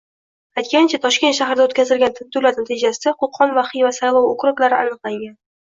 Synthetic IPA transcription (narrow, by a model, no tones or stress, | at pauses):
ajt̪̚kʲant͡ʃʰat̪ʰɒʃkʲe̞t̪ʃahɾɪd̪aot̪kʲʰazɪlɡʲant̪ʰɪd̪ːʊlaɾt̪nat̪ʰɪd͡ʒasɪd̪aqʰʊqʰːɒnvaχɪjvasajlˠɒwokʲɾʊklaɾɪʔa̰nɨqlˠaŋɡʲan